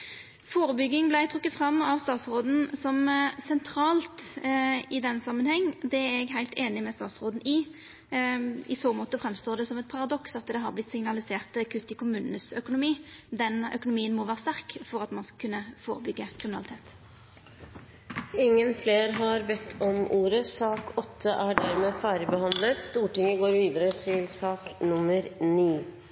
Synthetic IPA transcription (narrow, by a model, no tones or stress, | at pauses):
foːɾəbʏɡːɪŋblæɪt̪ʰʁʉkːət̪fɾɑmːɑʋst̪ɑːt̪sʁoːd̪n̩sɔmsɛnt̪ʰɾɑːlt̪ | ɪd̪ɛnːsɑmːənhɛŋːd̪ɛɾɛɡɦæɪlt̪eːnɪmɛst̪ɑ̰ːt̪sʁoːd̪n̩ɪ | ʔɪsoːmoːt̪əfɾɛmst̪oːd̪ɛsɔmɛt̪̚pʰɑɾɑd̪ɔksɑt̪d̪ɛɦɑʁblɪt̪sɪŋnɑlɪseːʁt̪kʰʉt̪ːɪkʰʊmʉːnənəsœkʊnʊmiːd̪ɛnœ̰kʊnʊmiːənmoːʋæːʁəst̪æʁkfɔʁɑt̪mɑnskɑkʰʉnːəfo̰ːʁəbʏɡːəkʰʁɪmɪnɑlɪt̪ʰeːt̪ | ɪŋːənfleːɾɦɑɾbɛt̪ʰːɔmʔuːɾəsɑːkʰɔt̪ʰːəʔæɖæɾmeːfæːɾəbəhɑnd̪lət̪st̪uːʈɪŋːəɡoːɾʋiːd̪əɾət̪ʰɪlsɑːknʊmːəɾniː